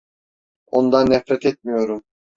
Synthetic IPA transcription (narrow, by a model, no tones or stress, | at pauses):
o̞nd̪anːɛfɾɛt̪ʰɛt̪̚mijo̞ɾum